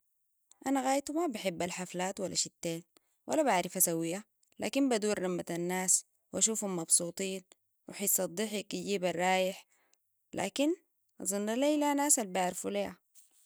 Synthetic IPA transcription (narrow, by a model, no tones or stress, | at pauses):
ʔanaɣaːjt̪umabɪħɪbːalħaflaːt̪walːaʃit̪ːeːn | wʔa̰lːabaʕɾɪfasawijːa | la̰ːkimbad̪uːɾːamːat̪anːaːs | wʔaʃuːfhumːɑbsˤuːt̪ˤiːn | wɪ̰ħajsˤɑd̪ˤːiħikɟiːbarˤːɑːjɪħ | lʔa̰ːkin | ʔzˤɑnːalalanaːsalbaʕɾfuleːha